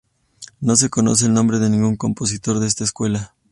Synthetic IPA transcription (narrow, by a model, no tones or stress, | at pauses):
no̞s̬e̞ko̞nos̬e̞ːlnõ̞mbɾe̞ðe̞nĩŋɡuŋko̞mpo̞s̬it̪o̞ɾðeest̪aeskwe̞la